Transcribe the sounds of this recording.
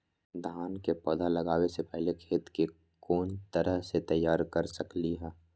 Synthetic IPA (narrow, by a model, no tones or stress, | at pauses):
d̪ʱaːnkepɐd̪ʱalɐɡaːwesepɛɦlekʰeːt̪ke | koːnt̪ɐɾəɦset̪ɐjːaːɾkɐɾsɐkliɦɛː